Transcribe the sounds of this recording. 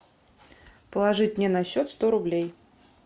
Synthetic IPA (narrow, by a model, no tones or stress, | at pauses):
pəlˠɐʐɨt̚ʲnʲɛnɐɕːot̪st̪oɾʊblʲej